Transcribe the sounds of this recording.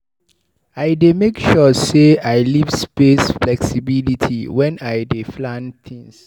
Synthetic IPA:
aɪdemekʃɔseaɪlivspesflɛksibilitʰiwɛ̃naɪdeflãnθʰĩŋs

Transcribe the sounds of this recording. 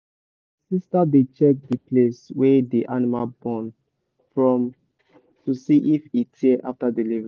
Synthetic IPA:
sistadet͡ʃɛk̚dipleswɛdeʔanimalbɔ̃n | fɹɔ̃m | tusiʔifitʰiɛʔa̰ftadilivɹĩ

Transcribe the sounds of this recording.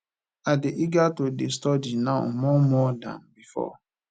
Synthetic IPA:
adɪʔiɡatodestɔdinaʊmɔmɔdã̰nbifɔ̰

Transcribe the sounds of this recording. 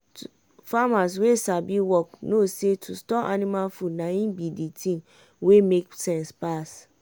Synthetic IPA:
famas̬wesabiwɔknosetʰustɔa̰nĩmalfunãjĩbiditʰĩn | wemeksɛ̃nspas

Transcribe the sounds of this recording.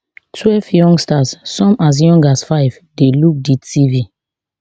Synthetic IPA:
tʰwɛlvjɔ̃ŋɡstasːɔ̃mas̬jɔ̃ŋɡasfaɪv | deluk̚ditʰivi

